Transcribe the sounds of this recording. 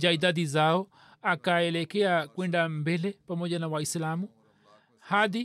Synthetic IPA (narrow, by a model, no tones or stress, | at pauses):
d͡ʒaidad̪izaɔ | akaɛlekeakwɛndambelepamɔɟanawaislamu | had̪i